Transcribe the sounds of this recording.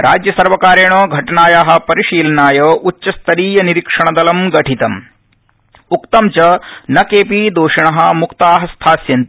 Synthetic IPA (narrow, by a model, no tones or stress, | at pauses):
ɾʔaːd͡ʒjɐsɐɾʋɐkaːɾeːɳoːɡʱɐʈɐnaːjaːɦɐ̆pɐɾiʃiːlɐnaːjɐːʔutːt͡ʃːɐst̪ʰɐɾiːjɐniɾikʂɐɳɐd̪ɐlɐmɡɐʈʰit̪ɐm | ukt̪ɐmt͡ʃɐnɐkeːpiːd̪oːʂɐɳɐɦɐ̆mukt̪aːɦɐst̪ʰaːsjɐnt̪i